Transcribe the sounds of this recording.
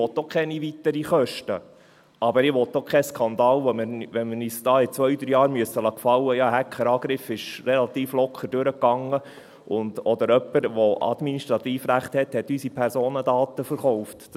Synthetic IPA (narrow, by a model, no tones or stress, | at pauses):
ɔt̪ːokʰχɛniʋit̪əɾiχœʃtə̰ | ʔɑbəɾɪʋɔt̪ːokʰχɛskʰɑnd̪ɑːlʋɔməʋɛnməniːsd̥ɑːɪt͡sʋœʏd̪ɾyjɑːɾmyəsːəlɑːkfɑlːəjɑːɦækʰχəɾɑːɡ̥ɾɪfɪʃɾɛlɑt̪iːflɔkʰəɾd̥ʉɾəkːɑŋːə | ʊnd̪ɔd̪əɾœpːəɾʋɔɑ̰d̥̪miniʃt̪ɾɑt̪iːfɾæχt̪hɛt̪hɛt̪ːysipʰɛɾsoːnəd̪ɑːt̪əfəɾχɔʊft